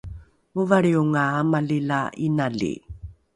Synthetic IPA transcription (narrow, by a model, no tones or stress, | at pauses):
muvaɭiuŋaːmalilainaɮḭ